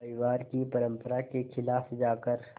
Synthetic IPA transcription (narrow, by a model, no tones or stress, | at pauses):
ɐɪʋaːɾkipɐɾə̃mpəɾakexʰɪlaːfd͡ʒaːkəɾ